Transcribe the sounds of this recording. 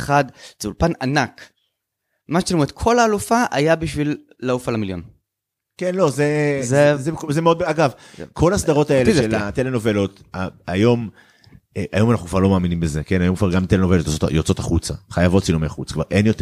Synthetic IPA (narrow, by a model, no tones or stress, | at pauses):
χad̪z̥eulpananak | maʃt͡ʃilomʁet̪kʰo̞laːlufaʔajabiʃvilː | aufalamiljo̰n | kenlo̞zezezekzemeod̪̚aɡav | kʰo̞lasd̪aʁo̞t̪aeleelat̪eleno̞velo̞t̪ | aajo̞m | eʔa̰jo̞manaχnukvaʁlo̞maːminimbezekenajo̞mkvaʁɡamt̪elenovelotjot͡sota̰jot͡so̞t̪aχut͡saχajavo̞tt͡silomeaχṵt͡sakva̰ʁʔe̞njot̪